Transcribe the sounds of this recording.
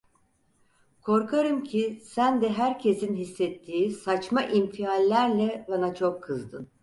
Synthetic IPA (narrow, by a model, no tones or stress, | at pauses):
kʰo̞ɾkʰaɾɯmcʰisænd̪ɛɦæɾcʰe̞sinɦisːɛt̪ʰːiːsat͡ʃmaʔimfialʲːæɾlʲɛbanat͡ʃʰo̞kʰːɯzd̪ɯn